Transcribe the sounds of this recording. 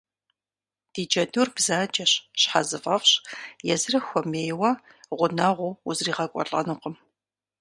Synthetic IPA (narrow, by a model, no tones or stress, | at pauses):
d̥iːd͡ʒɐdurbzaːd͡ʒʼɐɕɕħazɨfʼɐfɕjɛzɨrɐxʷɔmeːjwɐ | ʁʷʊnɐʁʷʊuzriːʁɐkʷʼɔ̰ɮʼɐ̰nɨqəm